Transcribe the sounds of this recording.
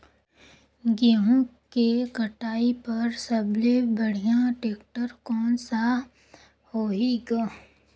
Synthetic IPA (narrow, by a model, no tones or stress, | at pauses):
ɡeɦũkeɡɐʈaːipɐɾsɐblebəɽ̤ijãʈeːk̚ʈəɾkɔːnsa | hoːɦiɡa